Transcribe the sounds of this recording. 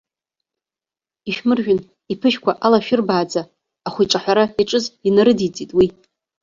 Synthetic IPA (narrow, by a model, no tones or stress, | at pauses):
iʃᶣmɨrʒᶣʷʊn | ipʰɨʃkʷaʔalaʃᶣɪrbaːd͡zaː | χʷiʈ͡ʂʼaħʷᶣaɾaiʈ͡ʂʼɨzinaɾɨdit͡sʼitʼwi